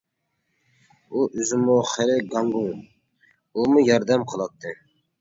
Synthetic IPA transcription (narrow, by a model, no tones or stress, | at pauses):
uʔyzɪmuχɛɾɪɡɑŋɡuŋ | umujɑɾd̪ɛmqʰəlˠɑt̪ʰːɨ